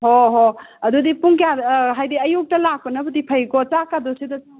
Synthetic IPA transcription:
ɦoɦoɐdudipuŋkijaɾɦajdiɐjuk̚tɐlak̚pɐnɐbɐdipʰɐjkot͡ʃakadɔsidɐt͡ʃa

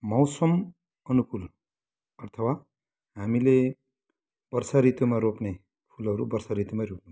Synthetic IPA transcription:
mʌwsʌm | ʌnukul | ʌrt̪ʰʌwa | ɦamile | b̥ʌrsaɾit̪umaɾopne | pʰulʌɾubʌrsaɾit̪umaɾop̚nu

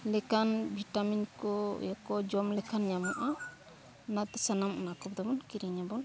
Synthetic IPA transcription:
lɛkanbʱiʈaminkɔ̰jakɔd͡ʒɔmlɛkʰanɲamuʔa | nat̪ɛ̥sanamṵnakɔp̚d̪ɔmɔnkiɾiɲabɔn

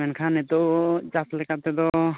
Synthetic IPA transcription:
ɛnkʰanɛt̪ɔd͡ʒaslɛkat̪ɛd̪ɔ

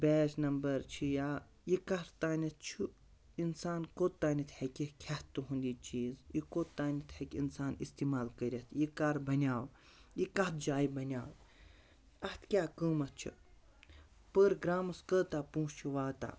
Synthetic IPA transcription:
bɛːsnɐmbɐɾt͡ʃʰijaː | jikɐɾt̪aːnʲɐt̪̚ʰt͡ʃʰu | insaːnkoːt̪ːaːnit̪ʰhɐkʲikʰaht̪ːuɦũnd̪it͡ʃiːzjikoːt̪ːaːnʲit̪ʰhekʲḭnsaːnist̪iːmaːlkəɾʲɐt̪ʰjikaɾbɐnʲjaːw | jikɐht̪̚d͡ʒaːjibɐnʲaːw | ɐht̪ʰkʲaːkəːmɐt̪̚t͡ʃʰḭ | pəːɾɡɾaːmɐskəːt̪aːpũːst͡ʃʰiʋaːt̪a̰

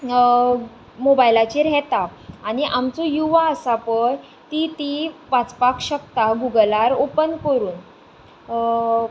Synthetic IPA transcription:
mobajlat͡ɕiɾɦet̪aaɽ̃iʔamt͡sojuʋaəsapəj | t̪it̪iʋat͡spakɕəkt̪aɡuɡəlaɾopənkəɾuːn

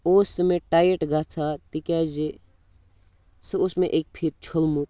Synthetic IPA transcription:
osmeʈaːjeʈɡat͡sʰat̪ikad͡ʒe | seosmẽʔek̚pʰit̪̚t͡ʃʰolmut̪̚

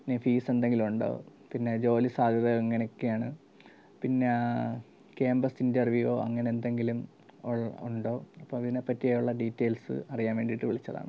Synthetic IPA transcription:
pinːefiːse̞nd̪e̞ŋɡilumuɳɖo̞̰ːpinːe̞d͡ʑo̞ːlisaːd̪ʱjɐðɐeŋːɐneokːejaːɳɨ | pinːe | keːmbɐsindɐrʋjuʋoːɐŋːɐneend̪e̞ŋɡilum | oɭuɳɖo̞ːɐpːoːmɐðinepːɐtːijaːjuɭːɐɖiːtːeːlsɨ̰ɐrijaːnʋeːɳɖiʈːɨʋiɭit͡ɕːɐða̰ːɳɨ

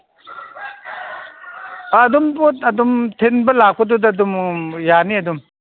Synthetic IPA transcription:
d̪umboɐdumtʰenbɐlak̚pʰɔdudɐdumjaniɐdum

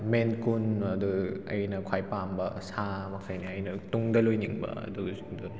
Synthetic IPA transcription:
menkunɐd̪uɐjnɐkʰajpambɐsamɐkʰajniɐjnɐt̪uŋdɐlojniŋbɐ̰ɐ̰d̪u | du

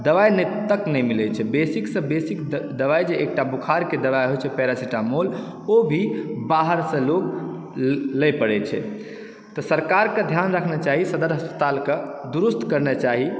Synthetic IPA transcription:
d̪əʋajnɛt̪əknɛjmilɛt͡ʃʰɛbesiksə̃besikd̪əʋajd͡ʒeʔːk̚ʈabukʰaɾked̪əʋajɦojt͡ʃʰɛpɛɾasiʈamol | obʱibaɦəɾsə̃lok | lɛjpəɽɛt͡ʃʰɛ̰ | t̪ɔsəɾkaɾkẽd̪ʱjanɾəkʰnet͡ʃaɦisəd̪əɾɦəspə̥t̪alked̪uɾust̪ʰkəɾnɛt͡ʃaɦi

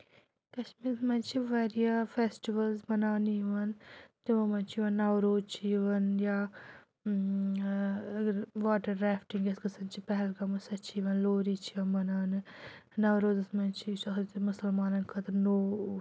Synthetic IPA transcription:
kɐʃmiːɾsmɐnt͡ʃʰiʋɐːɾijafʰeːsʈiʋɐlzmɐnaːniʋɐnt̪imɐmɐnt͡ʃʰiʋɐnːɐʋɾoːdt͡ʃʰiʋɐnjaː | ʋaːʈɐɾɾaːfʈiŋɡɐskɐsɐnt͡ʃʰipɛɦɛlkɐmɐsɐt͡ʃʰiːʋɐnloːɾit͡ʃʰiɐnmɐnaːnɨnɐwɾoːzɐsmɐnt͡ʃʰisɐɦt̪mʊsɐlmaːnɐnkʰɐt̪ɐɾnoː

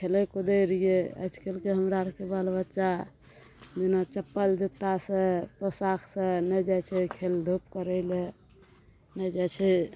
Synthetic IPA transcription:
kʰelekod̪əjɾijeə̰jsʰkelkeɦəmɾaɾəkebalbətːʃa | d͡ʒenat͡ʃəpːəld͡ʒet̪ːasẽpɾosakʰsẽnɛd͡ʒat͡ʃʰɛkʰeld̪ʱup̚kəɾəɪle | nɛd͡ʒat͡ʃʰɛ

